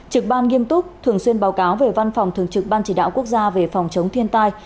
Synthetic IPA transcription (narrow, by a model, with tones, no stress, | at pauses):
t͡ɕɨ˨˩k̚ɓaː˧nŋi˧əmt̪ʊ˦˥k͡p̚t̪ʰɨ˨˧˩əŋswi˧ənɓaː˨˦wkaː˨˦wve˨˩va˧nfɔ˨˩wŋ͡mt̪ʰɨ˨˩əŋ̚t͡ɕɨ˨˩k̚ɓaː˧nt͡ɕi˧˩ɗa̰ː˧˨wku˦˥ək̚zaː˧ve˨˩fɔ˨˩wŋ͡mt͡ɕə˨˦wŋ͡mt̪ʰi˧ənt̪aː˧j